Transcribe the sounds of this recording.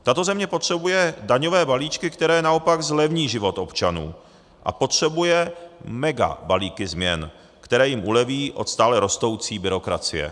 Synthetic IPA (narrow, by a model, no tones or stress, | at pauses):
t̪at̪o̞zɛmɲɛpo̞t̪r̝̥ɛbujɛdaɲovɛːbaliːt͡ʃkɪkt̪ɛɾɛːjɛnao̞paɡzlɛvɲiːʒɪvo̞t̪ʔo̞pt͡ʃanṵː | ʔa̰po̞t̪r̝̥ɛbujɛmɛɡa̰baliːkɪzmɲɛn | kt̪ɛɾɛːjɪmʔulɛviːʔo̞̰t̪st̪aːlɛɾost̪o̞wt͡siːbɪɾo̞kɾa̰t͡sɪjɛ̰